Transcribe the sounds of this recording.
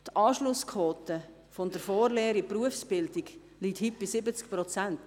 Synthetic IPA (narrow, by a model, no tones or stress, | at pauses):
t̪ɑːʃlʊskʰɔːtə | fɔndəɾfɔːɾleːɾipruəfsb̥ɪldiɡ | liːthip̚b̥isɪbət͡skpɾɔt͡sænt